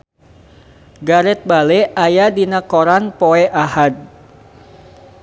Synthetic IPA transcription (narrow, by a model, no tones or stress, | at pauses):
ɡaɾɛt̪̚balɛajadinakoɾanpoɛʔahad̪̚